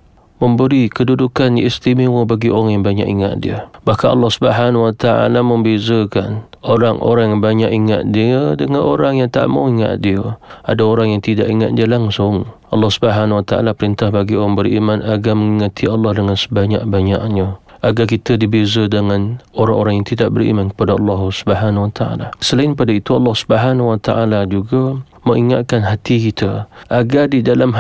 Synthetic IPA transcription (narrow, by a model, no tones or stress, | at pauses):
məmbəɾikədudukaniɛst̪imewəbaɡiʔo̰ɾaŋjaŋbaɲa̰ʔiŋa̰ʔ̪dḭəbahkanʔɑ̰lːɑhsubəɦanwat̪aʔa̰laməmbezəkan | oɾaŋʔo̰ɾaŋjaŋbaɲaʔiŋa̰ʔ̪̚diədəŋanʔoɾaŋjaŋt̪a̰ʔmoiŋa̰ʔ̪diəadaoɾaŋjaŋt̪idaʔiŋa̰t̪̚diəlaŋsʊŋʔɑlːɑhsubəɦanwat̪aʔa̰lapəɾint̪ahbaɡioɾaŋbəɾimanaɡaməŋiŋat̪ʰiɑlːɑhdəŋansə̥baɲaʔbaɲa̰ʔɲəʔaɡak̬it̪ədibezədəŋanoɾaŋoɾaŋjaŋt̪idaʔ̚bərḭmankə̥padaɑlːɑɦsubəɦanwat̪aa̰lasəlaɪnkpadait̪uɑlːɑhsu̥bəɦanwat̪a̰ʔalad͡ʒuɡa | məŋiŋa̰t̪̚kanɦat̪ikit̪ʰəʔaɡardidalam